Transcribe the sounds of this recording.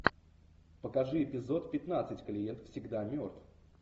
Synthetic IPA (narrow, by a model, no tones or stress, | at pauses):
pəkɐʐɨɪpʲɪzo̞t̪pʲɪt̪nat̪sɨtʲkəlʲɪjent̪fsʲɪɡd̪amʲort̪f